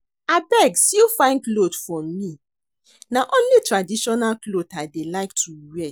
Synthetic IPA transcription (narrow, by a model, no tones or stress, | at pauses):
abɛɡsilfãɪ̃nklotfɹɔ̃mːi | naʔõnlitɹadiʃɔnalklotadelaɪktʰuwɛ